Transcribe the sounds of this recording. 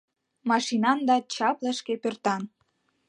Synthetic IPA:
mɑʃinɑnd̪ɑt͡ɕɑplə̆ʃkepørt̪ɑn

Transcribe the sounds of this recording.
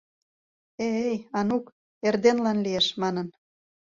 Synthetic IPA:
eejɑnuk | erd̪enlɑnlieʃmɑnən

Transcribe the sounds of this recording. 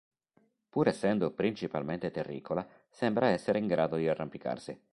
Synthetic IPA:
puːɾɛsːɛnd̪opɾint͡ʃipa̰lment̪et̪erːḭːkʰola | sɛmbɾaɛsːeɾeiŋɡɾaːd̪od̪iarːampika̰rsi

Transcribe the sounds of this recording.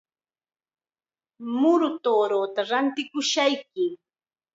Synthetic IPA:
mʊɾʊt̪oːɾot̪aɾant̪ɪkʊʃajkɪ

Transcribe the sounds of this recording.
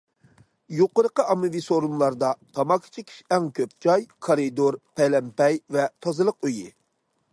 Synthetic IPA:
joqəɾəqəʔɑmɨvisoɾunlˠɑɾd̪ɑt̪ʰɑmɑkʰi̥t͡ʃʰikʲʰi̥ʃɛŋkʲʰøp̚t͡ʃʰɑjkʰoɾid̪oɾpʰɛjlɛmpɛjvɛt̪ʰɑzɨlˠəqøjɪ

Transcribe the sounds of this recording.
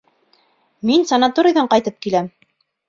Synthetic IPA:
minsɐnat̪oɾʲɪ̆jðɑɴqɑjt̪ɤp̚kilæm

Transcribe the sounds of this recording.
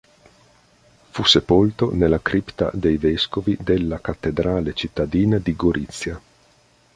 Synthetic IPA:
fusepolt̪onelːakɾipt̪a̰d̪ejveskovid̪elːakat̪ːed̪ɾaːlet͡ʃit̪ːad̪iːnad̪iɡoɾʔit̪sːja

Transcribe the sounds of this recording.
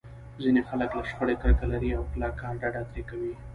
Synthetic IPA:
zinexaləklaʃxoɽekəɾkalaɾiawplɑkɑnɖaɖat̪ɾekawi

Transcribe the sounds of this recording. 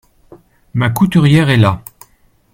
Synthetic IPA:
makut̪yʁjɛʁɛla

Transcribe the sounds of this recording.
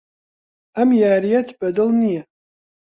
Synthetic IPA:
amjaːɾijatʰb̥ɐdɨlnijɛ

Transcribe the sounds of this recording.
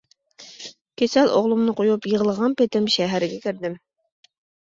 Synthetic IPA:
kʲʰesælʔo̰ʁlˠumnɨqojupjɤʁəlˠəʁɑnpet̪ɪmʃæɦæɾɪɡʲɛkʲɪ̆ɾd̪ɪm

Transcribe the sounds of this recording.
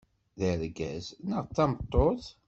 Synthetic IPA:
ðəɾɡæ̰znəʁt͡s̪ːɑmət̪ˤːoθ

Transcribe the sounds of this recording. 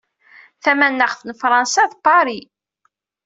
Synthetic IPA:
θæmænːəχθnfɾˤɑnsæðpːɑɾi

